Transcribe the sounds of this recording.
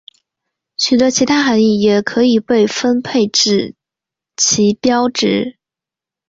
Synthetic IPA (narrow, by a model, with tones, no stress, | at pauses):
ɕy˨˩t̪ə˧˥t͡ɕʰi˧˥t̪ʰa˥xa˧˥ni˥˩jɛ˨˩kʰɤ˧˥i˨˩pe˥˩ɪfə˥npʰe˥˧ɪʈ͡ʂɻ̩˥˨˩ | t͡ɕʰi˧˥pjɑ˥ʊʈ͡ʂɻ̩˧˥